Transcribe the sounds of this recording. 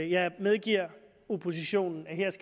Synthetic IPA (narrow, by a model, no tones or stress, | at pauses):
jɑ̈ɪmeðˠɡ̥iɐ̰ | o̝pʰo̝s̬iɕo̝̰ːnn̩æheɐ̰sɡ̥